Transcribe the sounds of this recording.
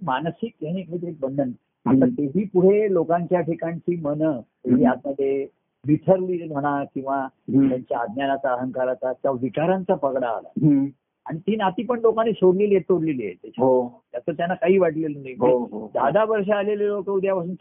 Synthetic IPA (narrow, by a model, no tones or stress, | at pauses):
mansikjeɽ̃ikʰit̪əɾiːk̚bənd̪ʱən | at̪at̪eɦiːpuɽ̤elokãɲt͡ɕjaʈʰekãɲt͡ɕiːmənət̪eɦiːad͡z̪məd̪ʱːe | ʋiʈʰəɾliːm̤ʱəɽ̃akĩw̃ʋat̪jaɲt͡ɕjaːd̪njanat͡saəɦəŋkaɾat͡sat̪jaʋit͡ɕaɾãnt͡sapəɡɽa̰ːla̰ | aɽ̃it̪iːnat̪iːpəɳlokaneɕoɽleliet̪oɽleliːḛt̪ːet͡ɕʰɦot̪asət̪janːakaɦiːʋaʈlelunajɦə̃iɦod̪ʱad̪ʱaʋəɾʂ̬aalelelokəud̪ʱjapas̬uːn